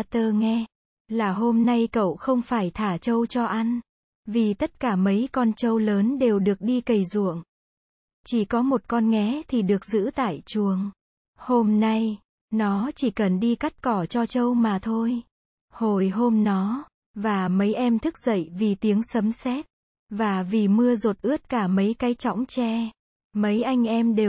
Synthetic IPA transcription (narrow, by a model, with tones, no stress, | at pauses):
t̪əː˧ŋɛ˧ | laː˨˩ɦo˧mna˧jkə̰˧˨wxə˧wŋ͡mfaː˧˩jt̪ʰaː˧˩t͡ɕə˧wt͡ɕɔ˧ʔa˧ŋ̟ | vi˨˩t̪ə˦˥t̚kaː˧˩mə˨˦jkɔ˧nt͡ɕə˧wləː˨˦nɗe˨˩wɗɨ˨˩ək̚ɗi˧kə˨˩jzṵ˧˨əŋ | t͡ɕi˧˩kɔ˨˦mo˨˩t̚kɔ˧nŋɛ˨˦t̪ʰi˨˩ɗɨ˨˩ək̚zɨ̰˧˥t̪a̰ː˧˨jt͡ɕu˨˩əŋ | ho˧mna˧j | nɔ˨˦t͡ɕi˧˩kə˨˩nɗi˧ka˦˥t̚kɔ˧˩t͡ɕɔ˧t͡ɕə˧wmaː˨˩t̪ʰo˧j | ho˨˩jɦo˧mnɔ˨˦ | vaː˨˩mə˨˦jʔɛ˧mt̪ʰɨ˦˥k̚z̥ə̰˧˨jvi˨˩t̪i˨˦əŋsə˨˦msɛ˦˥t̚ | vaː˨˩vi˨˩mɨ˧əzo˨˩t̚ʔɨ˦˥ət̚kaː˧˩mə˨˦jkaː˨˦jt͡ɕɔ̰˧˥wŋ͡mt͡ɕɛ˧ | mə˨˦jʔa˧jŋ̟ʔɛ˧mɗe˨˩